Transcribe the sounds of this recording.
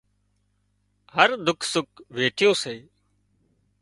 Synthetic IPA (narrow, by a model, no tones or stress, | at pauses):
ɦəɾd̪ʊkʰsʊk̚ʋeːʈʰɪjõːseː